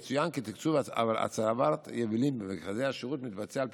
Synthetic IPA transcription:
t͡sujankɪtikt͡suvaa̰vala̰t͡saɾavaɾt̪jɛvilimbəmɪkχazeaʃiʁutmɪt̪bat͡sɛalp

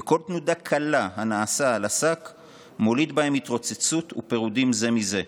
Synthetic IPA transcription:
eko̞lt̪nudakʰalaɦanaːsaːlasak | mo̞lid̪bahe̞mit̪ʁo̞t͡set͡sut̪ṵpe̞ʁudimze̞mize̞

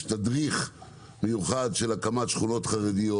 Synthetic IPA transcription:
t̪adʁiχ | mejuχadʃe̞lakamatʃχuno̞tχaʁedijo

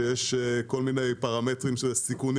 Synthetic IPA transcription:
jeʃko̞lminejpaʁame̞tʁimʃesikun

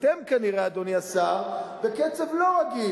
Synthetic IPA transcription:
t̪emkaniʁead̪oniasaʁbeket͡sevlo̞ʁaɡi

